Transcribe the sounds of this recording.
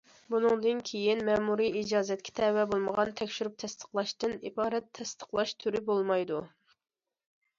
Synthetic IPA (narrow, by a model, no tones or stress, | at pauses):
bunɨŋd̪ɨnkʲʰejinmɛmuɾiid͡ʒɑːzɛt̪̚kʲʰɛ̥t̪ʰɛwɛbolˠməʁɑnt̪ʰɛkʲʃyɾup̚t̪ʰɛst̪ʰə̥χlˠɑʃt̪ɨnḭbɑːɾɛt̪ʰːɛst̪ə̥χlˠɑʃt̪ʰyɾɪbolˠmɑjd̪u